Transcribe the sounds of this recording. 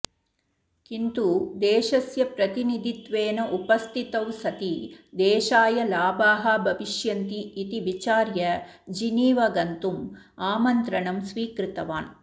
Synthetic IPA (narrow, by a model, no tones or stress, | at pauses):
kint̪ud̪eːʃɐsjɐpɾɐt̪inid̪ʱit̪ʋeːnɐʔupɐst̪ʰit̪ɐwsɐt̪id̪eːʃaːjɐlaːbaːɦɐbʱɐʋiʃjɐnt̪iːt̪iʋit͡ʃaːɾjɐd͡ʒiniːʋɐɡɐnt̪umaːmɐnt̪ɾɐɳɐmsʋiːkɾɪt̪ɐʋaːn